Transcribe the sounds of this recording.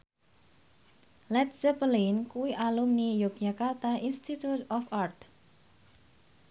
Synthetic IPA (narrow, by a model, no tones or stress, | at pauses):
lɛt̪̚sɛpəlinkuwiʔalumnijok̚jakart̪ainst̪it̪ut̪ɔfart̪